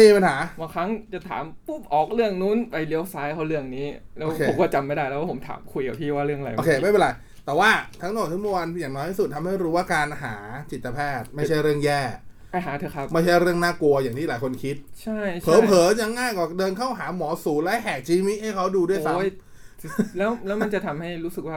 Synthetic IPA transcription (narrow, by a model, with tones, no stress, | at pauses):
niː˧˥˩pa˧nɦaː˩˦ba˧˩ŋkʰɾa˦˥ŋt͡ɕa˨˩t̪ʰa̰ː˩˦mpu˥˩mʔɔː˨˩k̚lɯ˥˩əŋnu˦˥npa˧˩jli˦˥˧wsaː˦˥jkʰa˦˥˩lɯ˥˩əŋniː˦˥lɛ˦oːwkʰeː˧˨˦kɔː˥˩t͡ɕa˧mːa˥˩jdaː˥˩jlɛ˦wa˥pʰo˩˦mt̪ʰa̰ː˩˦mkʰu˧jka̰˨˩t̪ʰiː˥˩waː˥˩ɾɯ˥˩əŋa˨ɾa̰˧joː˧kʰeː˧ma˥˩jpe˧˨la˧j | t̪ɛː˨˩waː˥˩t̪ʰa˦˥ŋnɔː˨˩t̪ʰa˦˥mwu˥˧wa˧njaː˨˩ŋnɔː˦˥jt̪ʰiː˥˩u˨˩t̪ʰːa˧mha˥˩jɾuː˦waː˥˩kaː˧nɦaː˩˦t͡ɕi˨˩t̪ːa˧pʰɛː˥˩t̪̚ma˥˩t͡ɕʰa˥˩jɾɯ˥˩əŋjɛː˥˩ | pa˧jɦaː˩˦t̪ʰɤː˧˩kʰa˦˥p̚ma˥˩jt͡ɕʰa˥˩jɾɯ˥˩əŋnaː˥˩ku˧ɐjaː˨˩ŋt̪ʰiː˥˩laː˨˦jkʰo˧nkʰi˦˥t̪̚t͡ɕʰa˥˩jt͡ɕpʰɤː˧˨˦pʰɤː˨˩˦t͡ɕa˧ŋːaː˥˩jkɔ˨˧˩dɤː˧nkʰa˥˩wɦaː˩˦mɔː˩˦suː˨˩˦laː˦˥ɦɛː˨˩k̚t͡ɕiː˧miː˦˥ʔha˥˩jkʰa˦˥wduː˧du˥˩əjsa˦˥jʰ | lɛː˦˥wlɛː˦˥wma˧nt͡ɕa˨˩t̪ʰa˧mha˥˩jɾuː˦˥sk̚waː˥˩